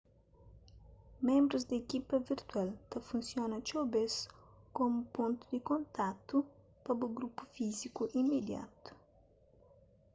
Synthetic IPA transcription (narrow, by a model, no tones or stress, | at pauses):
mẽmbɾuzd̪ɐekipɐviɾt̪walt̪ɐfũnsjõnɐt͡ʃobes | komupõnt̪u̥d̪ikõnt̪at̪u | pɐbuɡɾupu̥fizikuʔimed̪ja̰t̪u̥